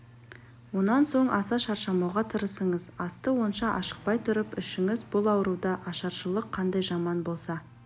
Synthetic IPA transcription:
wo̞nɑnso̞ɴʔɑsɑʃɑɾʃɑmɑwʁɑt̪ʰəɾəsəɴəzɑst̪əwo̞nʃɑʔɑʃə̥q̚pɑjt̪ʰʊɾəpɪʃɪŋɪzbʊlˠɑwɾud̪ɑʔɑʃɑɾʃəlˠəqʰːɑnd̪ɑjʒɑmɑnbo̞lˠsɑ

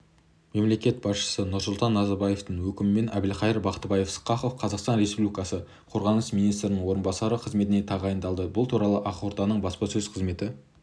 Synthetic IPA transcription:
me̞mle̞kʲe̞t̪̚bɑsʃə̥sənʊɾsʊlˠt̪ɑnːɑzɑɾbɑje̞ft̪əɴwɵkʲɪmɪme̞nʔæbɪlqɑjəɾbɑqt̪bɑje̞fsə̥qːɑχofqʰɑzɑqst̪ɑnɾe̞spublikɑsə | qʰo̞ɾʁɑnəsminijst̪ɾɪnɪɴwo̞ɾənbɑsɑɾəqʰəzme̞t̪ɪne̞t̪ʰɑʁɑjənd̪ɑlˠd̪əbʊlˠt̪ʰuɾɑlˠəʔɑqwoɾt̪ɑnəɴbɑspɑsɵzqʰəzme̞t̪ɪ

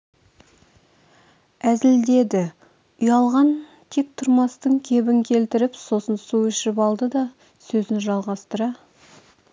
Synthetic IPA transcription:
æzɪld̪e̞d̪ɪ | ʊjɑlˠʁɑn | t̪ʰe̞k̚t̪ʰʊɾmɑst̪əɴkʲʰe̞bɪŋkʲʰe̞lt̪ɪɾɪpso̞sənsuɪʃɪɪpɑlˠd̪əd̪ɑ | sɵzɪnʒɑlˠʁɑst̪əɾɑ

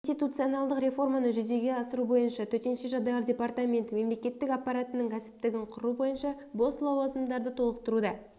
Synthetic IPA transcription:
st̪ʲijt̪ut̪sijonalˠd̪əqɾe̞fo̞rmɑnəʒʏze̞ɡʲe̞ɑsəɾubo̞jənʃɑt̪ʰɵt̪e̞nʃe̞ʒɑd̪ɑjɑɾdʲe̞part̪amʲe̞nt̪əme̞mle̞kʲe̞t̪ːɪkapːɑɾat̪ənəŋkʲʰæsɪ̥p̚t̪ɪɡʲɪɴqʰʊɾubo̞jənʃɑ | bo̞slˠɑwɑzəmd̪ɑɾd̪ət̪ʰo̞lˠəq̚t̪əɾud̪ɑ

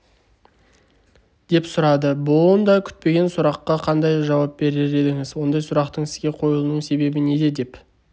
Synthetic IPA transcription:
d̪̥e̞psʊɾɑd̪əboənd̪ɑkʲʰʏ̥t̪̚pe̞ɡʲe̞nsʊɾɑqːɑqʰɑnd̪ɑjʒɑwɑp̚be̞ɾe̞ɾe̞d̪ɪŋɪzwo̞nd̪ɑjsʊɾɑqt̪əɴɪzɡʲe̞qʰo̞jəlˠnəɴse̞be̞bɪne̞d̪e̞d̪e̞p

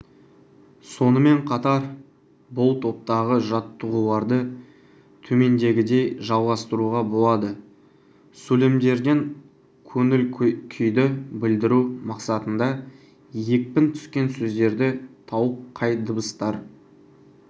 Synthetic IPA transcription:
so̞nəme̞ɴqʰɑt̪ɑɾ | bʊlˠt̪ʰo̞p̚t̪ɑʁəʒɑt̪ːəʁulˠɑɾd̪ə | t̪ʰɵme̞nd̪e̞ɡʲɪd̪e̞jʒɑlˠʁɑst̪əɾuʁɑbo̞lˠɑd̪ə | sɵlemd̪e̞ɾd̪eŋ | kʲʰɵŋɪlkʲʰʏjd̪ɪbɪld̪ɪɾumɑqsɑt̪ənd̪ɑ | je̞k̚pɪnt̪ʰʏ̥skʲe̞nsɵzd̪e̞ɾd̪ɪt̪ʰɑwəp̚qʰɑjd̪əbəst̪ɑɾ

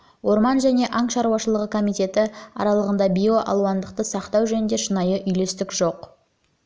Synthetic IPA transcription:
wo̞ɾmɑnʒæne̞ʔɑɴʃɑɾuwɑʃəlˠəʁəkʰo̞mijt̪e̞t̪ɪɑ̰ɾɑlˠəʁənd̪ɑbʲijo̞ʔɑ̰lˠuwɑnd̪əqt̪əsɑqt̪ɑwʒɵnɪnd̪e̞ʃənɑjəʔʏjle̞st̪ɪkʒo̞q

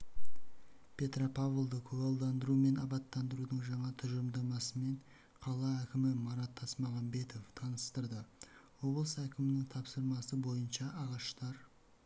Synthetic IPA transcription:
pʲʰe̞t̪ropʰɑvlˠd̪əkʲʰɵɡɑlˠd̪ɑnd̪əɾume̞nɑbɑt̪ːɑnd̪əɾud̪əɴʒɑɴɑt̪ʰʏʒəmd̪ɑmɑsəme̞ɴ | qʰɑlˠɑækʲɪmɪmɑɾɑt̪ʰːɑsmɑʁɑmbe̞t̪o̞ft̪ʰɑnəst̪əɾd̪əwo̞blˠəsækʲɪmɪnɪŋt̪ʰɑpsəɾmɑsəbo̞jənʃɑʔːʁɑʃt̪ɑɾ

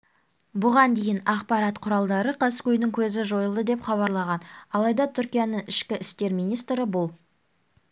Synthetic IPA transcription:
bʊʁɑnd̪e̞jɪnɑqpɑɾɑt̪qʰʊɾɑlˠd̪ɑɾəqʰɑskʲʰɵjnɪŋkʲʰɵzɪʒo̞jəlˠd̪əd̪e̞pχɑβɑɾlˠɑʁɑnɑlˠɑjd̪ɑt̪ʰʏɾkʲijanəɴɪʃkʲɪʔɪst̪e̞ɾmijnijst̪ɾɪbʊlˠ

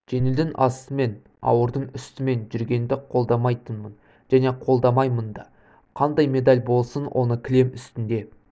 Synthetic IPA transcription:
ʒ̥e̞nɪld̪ɪŋʔɑsəme̞n | ɑ̰wəɾd̪əɴʏst̪ɪme̞nʒʏɾɡʲe̞nd̪ɪqʰo̞lˠd̪ɑmɑjt̪ənmən | ʒ̥æne̞qʰo̞lˠd̪ɑmɑjmənd̪ɑ | qʰɑnd̪ɑjme̞d̪ɑlʲbo̞lˠsənwʔo̞̰nəkʲʰɪle̞mʏst̪ɪnd̪e̞

